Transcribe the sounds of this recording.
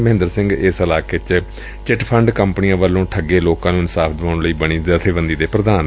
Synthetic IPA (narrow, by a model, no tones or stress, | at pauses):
məɦɪ̃nd̪əɾsɪ̃ŋɡɪsəlaːkeːt͡ʃ | t͡ʃɪʈpʰəɳɖkəmpnijãːʋəlːõːʈʰəɡeːloːkãːnũːɪnsaːfʰd̪ɪʋãːʊɳləiːbəɽ̃iːzaːt̪ʰeːʋənd̪iːd̪eːpɾəd̪aːn